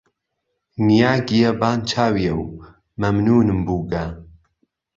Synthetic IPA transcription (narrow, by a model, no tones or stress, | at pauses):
nijaːɡijɐbaːnt͡ʃʰaːwijɐw | mɐmnuːnɨmbuːɡɐ